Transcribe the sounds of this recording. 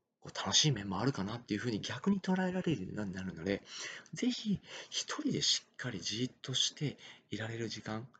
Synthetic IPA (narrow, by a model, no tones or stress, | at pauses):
ko̞ːt̪ʰano̞ɕiːmẽ̞mːo̞aɾɯ̟kanat̪ːe̞jiɯ̟ɸɯ̟ːɲ̟iɡʲakɯ̟ɲ̟it̪o̞ɾae̞ɾaɾe̞ɾɯ̰naɲ̟inaɾɯ̟no̞d̪e̞ze̞çiçi̥t̪ʰo̞ɾʲid̪e̞ɕi̥kʰːaɾʲiʑiːt̪ːo̞ɕi̥t̪e̞iɾaɾe̞ɾɯ̟ʑikãŋ